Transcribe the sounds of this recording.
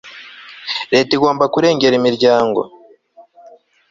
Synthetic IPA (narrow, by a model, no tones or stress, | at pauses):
ɾe̞ːtiɡoːmbakuɾe̞ːŋɡe̞ɾimiɾɟaːŋɡo̞̰